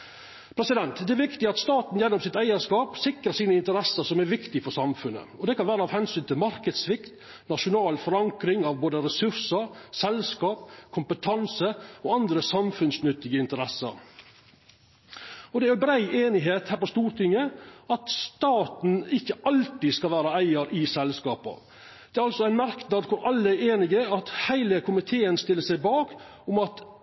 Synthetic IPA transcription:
pʰɾɛsɪd̪ɛnt̪d̪ɛæʋɪkt̪ɪɑt̪st̪ɑːt̪n̩jɛnːɔmsɪt̪æɪəʂkɑːpsɪkɾəsiːnəɪnt̪əɾɛsəɾsɔmæɾʋɪkt̪ɪfɔɾsɑmfʉnːə̰ɔd̪ɛkɑnʋæːɾəɑːʋhɛnsyːnt̪ʰɪlmɑɾkəd̪sʋɪkt̪ | nɑʂʊnɑːlfɔɾɑŋkɾɪŋɑʋboːd̪əɾɛsʉɾsəɾsɛlskɑːp̚kʰʊmpət̪ʰɑnsəɔɑnd̪ɾəsɑmfʉnsnʉt̪ːɪɡəɪnt̪əɾɛsə̰ɾ | ɔd̪ɛææɾbɾæɪʔeːnɪɦeːt̪hæːɾpɔst̪uːɾt̪ʰɪŋːəɑt̪st̪ɑːt̪n̩ɪkːəʔɑlt̪ɪskɑlʋæːɾɑæɪəɾɪsɛlskɑːpɑ̰ | d̪̥ɛæɾɑlsɔæɪnmɑɾknɑːd̪kʰʊɾʔɑlːəæeːnɪɡəɑt̪hæɪləkʰʊmɪt̪ʰeːənst̪ɪlːəsæɪbɑːk | ʊmɑt̪

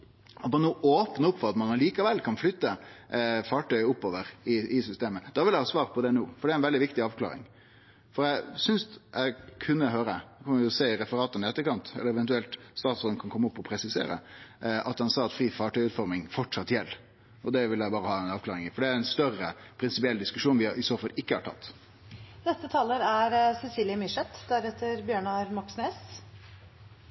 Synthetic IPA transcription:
ɔt̪mɑnuːʔoːpnəʊpːfɔɾɑt̪mɑnɑliːkɑʋɛlːkʰɑnflʏt̪ːə | fɑːʈœɪʊpːoːʋəɾɪɪsʏst̪eːməd̪ɑːʋɪlæɪhɑːsʋɑːɾpʰɔd̪ɛnuːfɔɖɛæɾɛnʋɛlɪʋɪkt̪ɪɑːʋkʰlɑ̰ːɾɪ̰ŋ | fɔɾæɪsʏnsæɪkʰʉnːəɦøːɾəɛkʰɑnːjʊseːɪɾɛfəɾɑːt̪ənɪɛt̪ːəkɑnt̪ɛ̰ləɾɛʋɛnt̪ʉɛlt̪st̪ɑːt̪sɔːd̪kʰɑnkʰɔmːəʊpːɔpʰɾɛsɪsḛːɾə̰ʔɑt̪̚dɑnsɑːɑt̪fɾiːfɑːʈœɪʉːt̪fɔɾmɪŋfɔʈʂɑt̪ːjɛlː | ɔd̪ɛʋɪlæɪbɑːɾəhɑːɛnɑːʋklɑːɾɪŋɪfɔɖɛæɾɛnst̪œrːəpʰɾɪnsɪpɪɛlːd̪ɪskʉʂuːnʋɪɪsoːfɑlɪkːəhɑʈʰɑ̰t̪ː | nɛst̪ət̪ʰɑːləɾæɾsɛsiːlɪəmɪʂɛt̪d̪æɾɛt̪ːəɾbjøːɳɑɾmɑksneːs

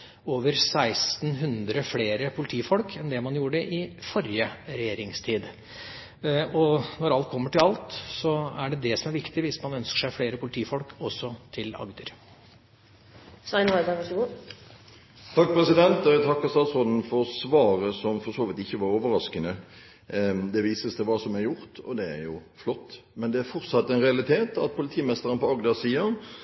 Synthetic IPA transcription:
oːʋəɾsæɪst̪nɦʉnd̪ɾəfleːɾəpʰʊlɪt̪ʰiːfɔlkʰɛnd̪ɛmɑnjuːəɖəʔɪfɔɾɪəɾɛjeːɾɪŋst̪ʰiːd̪ | ɔnɔɾɑlt̪̚kʰɔmːəʈɪlɑlt̪sɔæɖɛd̪ɛsɔmæɾʋɪkt̪ɪʋɪsmɑnœnskə̥ʂæɪfleːɾəpʰʊlɪt̪ʰiːfɔlkʰɔsːɔt̪ʰɪlɑ̰ɡd̪əɾ | sɑɪnɔɪd̪ɑʋɑʂɡuː | t̪ʰɑk̚ːpʁɛsɪd̪ɛnt̪d̪ɑɛt̪ʰɑkːəst̪ɑːt̪sʁɔd̪n̩fɔɾsʋɑːʁəsɔmfɔsoːʋɪt̪ɪçːəʋɑɾoːʋəɾɑskənə | d̪ɛʋiːsəst̪ɛʋɑːsɔmæɾjʊɾt̪ɔ̰d̪ɛæ̰ɾjʊ | flɔt̪ː | mɛnd̪ɛæɾfɔɾt̪sɑt̪ːɛnʁɛɑlɪt̪ʰeːt̪ɑt̪̚pʰʊlɪt̪ʰiːmɛst̪əɾənpɔɑɡd̪ɑsiːɑ

